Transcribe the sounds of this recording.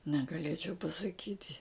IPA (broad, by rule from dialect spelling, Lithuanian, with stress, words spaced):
nʲɛɡɐˈlʲeːt͡ʃʲɛʊ pɐsɐˈkʲiːtʲɪ